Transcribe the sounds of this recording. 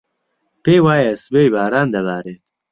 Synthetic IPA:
peːjwaːjɛsbeːjbaːɾaːnd̪ɐβaːɾeːt̪

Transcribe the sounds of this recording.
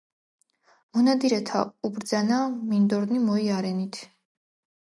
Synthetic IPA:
mɔnad̪iɾɛt̪ʰa̰ubɾd̪zanamind̪ɔɾnimɔiaɾɛnit̪ʰ

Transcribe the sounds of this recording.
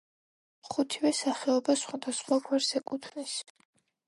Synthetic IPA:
χut̪ʰivɛsaχɛɔbasχwad̪asχwakʰwɛɾsɛkʼut̪ʰnis

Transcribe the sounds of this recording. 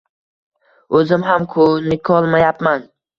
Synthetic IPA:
ɵzɪmɦamkʰʊnɪkʲʰɒlˠmajapman

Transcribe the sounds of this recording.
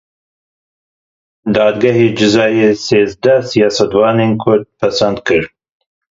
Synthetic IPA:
d̪ɑːd̪ɡaheːd͡ʒɪzɑːjeːseːzd̪æsijɑːsɐt̪wɑːneːnkʰʊɾd̪̚pʰɐsɐnd̪kʰɨɾ

